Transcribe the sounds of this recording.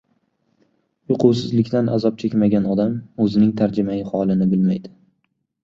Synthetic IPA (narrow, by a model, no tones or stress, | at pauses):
jʊqʰʊwsɪzlɪkʲt̪anʔa̰zɒp̚t͡ʃʰekʲmaɡʲanɒd̪amɵzɪnɪŋt̪ʰaɾd͡ʒɪmaɪhɒlˠɪnɪbɪlmajd̪ɪ̥